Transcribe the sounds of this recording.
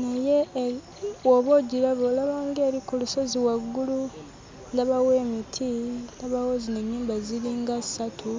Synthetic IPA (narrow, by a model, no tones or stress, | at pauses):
naje | oβo̞ɟiɾaβolaβaːŋɡe̞ːɾikuluso̞ziwaɡːulu | ndaβaweːmitʰindaβawozineɲːuːmbaziɾiŋɡasi̥satʰu